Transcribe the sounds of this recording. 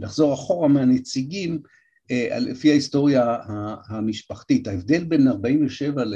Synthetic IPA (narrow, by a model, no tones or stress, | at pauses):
laχzo̞ʁaχo̞ʁameanet͡siɡim | eʔa̰lḛfihaist̪o̞ʁjahahamiʃpaχt̪ithaevd̪e̞lbe̞naʁbaimveʃe̞val